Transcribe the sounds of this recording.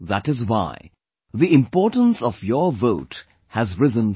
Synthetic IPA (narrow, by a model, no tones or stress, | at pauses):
ðætɪzwa̰ɪ | ðiɪ̃mpɔːʈə̃nsɔvjɔvoʊt | hæzɹɪzə̃n